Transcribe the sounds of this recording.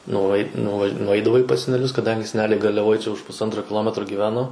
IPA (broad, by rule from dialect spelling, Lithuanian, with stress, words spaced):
nʊˈɐɪt nʊʋɐ nʊˈɐɪdɐʋɐɪ pɐs sʲɛnʲɛˈlʲʊs kɐˈdɐŋʲɡʲɪ sʲɛˈnʲæːlʲɛɪ ɡɐrʲlʲɛˈʋoːj t͡ʃʲɛ ʊʃ pʊsˈɐntroː kʲɪˈlˠoːmʲɛtroː ɡʲiːˈʋʲæːnoː